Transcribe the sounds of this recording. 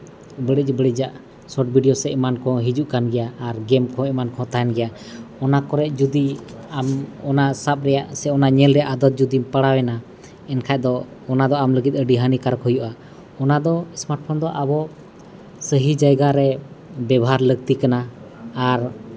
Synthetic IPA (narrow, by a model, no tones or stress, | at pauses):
bəɽic̚bəɽic̚d͡ʒaʔ | sɔʈbʱiɖijɔsɛɛmankɔ̃ɦid͡ʒuʔkanɡɛjaːɾɡɛmkʰɔ̃ɛmankɔ̃t̪ajnɡɛja | ɔnakɔɾɛʔ̚ˀd͡ʒud̪iamɔnasap̚ɾɛjaʔsɛɔnaɲɛlɾɛaʔad̪ɔt̪̚d͡ʒud̪impaɽawɛna | ɛnkʰaj̚d̪ɔː | nad̪ɔamləɡit̪̚ˀəɖiɦənikaɾkhɔjuʔa | ɔnad̪ɔsmaʈ̚pʰɔnd̪ɔʔabɔ | səɦid͡ʒajɡaɾɛbɛbɔɦaɾləɡ̚t̪ikanaː | ɾ